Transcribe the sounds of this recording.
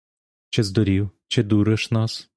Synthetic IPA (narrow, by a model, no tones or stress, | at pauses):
t͡ʃɛzd̪ɔɾiwt͡ʃɛd̪uɾəʃnɔs